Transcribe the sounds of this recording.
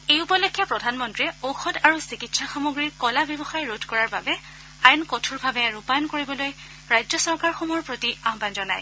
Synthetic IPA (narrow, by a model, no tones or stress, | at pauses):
ejupɔlekʰːɛpɹɔdʱanmɔntɹiɛoxɔdaɹusikitsaxamoɡɹiɹkɔlabjɔbɔxajɹodʱkɔɹaɹbabɛ | ajnkotʰuɹbʱabɛɹupajɔnkoɹibɔloj | ɹajzɔsɔɹkaɹxɔmɔɹpɹotiaɦbanzɔna̰j